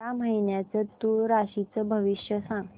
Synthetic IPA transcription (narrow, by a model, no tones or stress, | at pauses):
aməinjat͡sət̪ːuɾaɕit͡səbʱəʋiɕjəsãŋ